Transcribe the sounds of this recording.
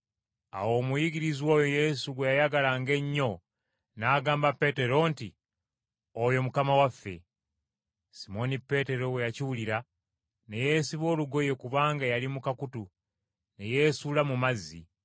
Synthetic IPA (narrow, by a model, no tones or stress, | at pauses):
a̰wo̞ːmujiɡiɾizwo̞ːjoje̞suɡwe̞jajaɡalaŋɡe̞ɲːo̞ | naːɡaːmbapːe̞te̞ɾo̞nti | ojo̞mukamawafːe̞̰ | simo̞nipːe̞te̞ɾo̞we̞jaciwuliɾa | ne̞je̞ːsiβo̞ːluɡo̞je̞kuβaːŋɡajalimukakutu | ne̞je̞ːsuːlamumazːḭ